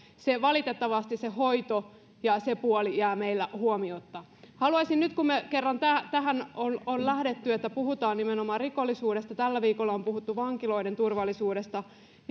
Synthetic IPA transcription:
seʋɑlit̪et̪ːɑʋɑst̪issehoit̪o | jɑsepuolijæːmeilːæhuomiot̪ːɑ | hɑluɑsinnyt̪kummekerːɑnt̪æt̪æɦænononlæhɾe̞t̪ːyet̪ːæpuhut̪ɑːnimenomɑːrrikolːisuːdest̪ɑt̪ælːæʋiːkolːɑompuhut̪ːuʋɑŋkilo̞ident̪urʋɑlːˑisuːɾest̪ɑ

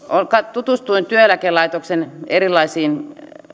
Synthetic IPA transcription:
olkɑt̪ut̪ust̪uint̪yølækelɑit̪oksenerilːˑɑisiːn

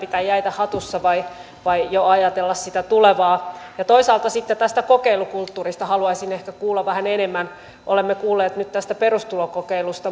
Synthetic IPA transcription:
pit̪æːjæit̪æhɑt̪usːɑʋɑi | ʋɑijoɑjɑt̪elːɑssit̪æt̪uleʋɑːjɑt̪oisɑːlt̪ɑsit̪ːet̪æst̪ækokeilukult̪ːuːrist̪ɑhɑluɑisinehkækuːlːɑʋʋæhænenemːæn | ʔolemːekuːlːeːt̪nyt̪t̪æst̪æperust̪ulokokeilust̪ɑ

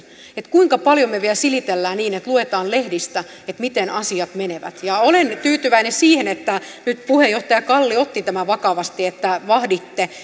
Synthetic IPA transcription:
et̪kuiŋkɑpɑljomeʋiælsilit̪elːæːniːnet̪luet̪ɑːnlehdist̪æ | et̪mit̪enɑsiɑt̪meneʋæ̰t̪jɑolent̪yːt̪yʋæinesiːhenet̪ːæ | nyt̪puhejoht̪ɑjɑkɑlːiot̪ːit̪æmæʋɑkɑʋɑst̪iet̪ːæʋɑhdit̪ːe

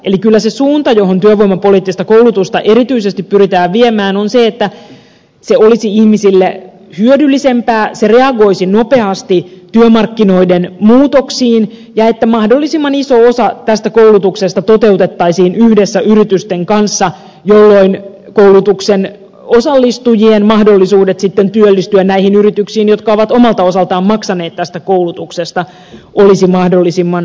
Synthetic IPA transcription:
elikylːæsesuːnt̪ɑjoɦont̪yøʋoimɑpo̞liːt̪ːist̪ɑkouwlut̪ust̪ɑʔeɾit̪yisest̪ippyɾit̪æːʋʋiemæːnonseet̪ːæ | seolisiihmisilːe | hyødylːisempæːsereɑɡo̞isino̞pe̞ɑst̪it̪yømɑrkːino̞idenmuːt̪oksiːn | jɑet̪ːæmɑhdolːisimːɑnisoosɑt̪æst̪ækoulut̪uksest̪ɑt̪ot̪eut̪et̪ːɑisiːnyhdesːæʔyrit̪yst̪eŋkɑnsːɑ | jolːoin | kowlut̪uksen | osɑlːist̪ujienmɑhdolːisuːdet̪sit̪ːent̪yølːist̪yænnæihinyrit̪yksiːnjot̪kɑoʋɑt̪omɑlt̪ɑosɑlt̪ɑːmmɑksɑneːt̪tæst̪ækoulut̪uksest̪ɑ | ʔolisimɑhdolːisimːɑn

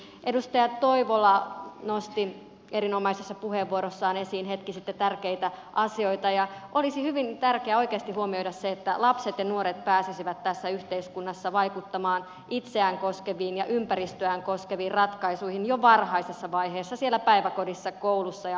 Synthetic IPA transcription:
ʔedust̪ɑjɑt̪t̪oiʋolːɑnost̪i | eɾinomɑisesːɑpuheʋːuoɾosːɑːnesiːnɦet̪kisit̪ːet̪ærkeit̪æʔɑsio̞it̪ɑjɑʔolisihyʋint̪ærkeæo̞ikeːst̪ihuomiojdɑsseet̪ːælɑpset̪jɑnuoɾet̪pæːsisiʋæt̪tæsːæyht̪eiskunːɑsːɑʋɑijkut̪ːɑmɑːn | ʔit̪seæŋkoskeʋiːnjɑʔympæɾist̪øæŋkoskeʋiːrrɑt̪kɑisuihinjoʋɑrhɑisesːɑʋɑiɦeːsːɑsielːˑæpæiʋækodisːɑkowlusːɑjɑ

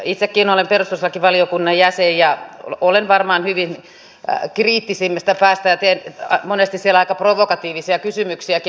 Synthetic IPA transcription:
it̪sekːiːnolemperust̪uselkiʋɑliokunːɑjjæsejjɑ̰olenʋɑrmɑːnhyʋin | kriːt̪ːisimːest̪æpæːst̪æjɑt̪eːnmonest̪issielɑikɑproʋokɑt̪iːʋisiɑkysymyksiæki

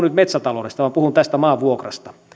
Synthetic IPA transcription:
nyt̪met̪sæt̪ɑlodest̪ɑʋɑmpuhunt̪æst̪æmɑːʋʋuokrɑ̰st̪ɑ̥

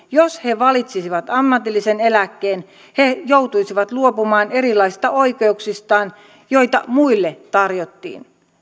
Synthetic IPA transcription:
joshe̞ʋɑlit̪sisiʋɑt̪ɑmːɑt̪ilːisenelækːeːn | hejowt̪uisiʋɑt̪luopumɑːne̞ɾilːˑɑisi̥st̪ɑoikeuksist̪ɑːn | jo̞it̪ɑmuilːet̪ɑrjot̪ːḭːn

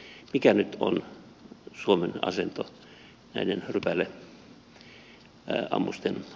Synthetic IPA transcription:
mikænyt̪o̰n | suomenɑ̰sent̪o | næidenrypælːe | ɑ̰mːust̪en

